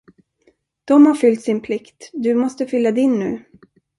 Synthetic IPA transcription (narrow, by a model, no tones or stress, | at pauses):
d̪̥ɔmhaɾfʏlt̪sɪnpʰlɪkt̪d̪ɵmɔst̪əfʏlːad̪ɪnːʉ̟̰ː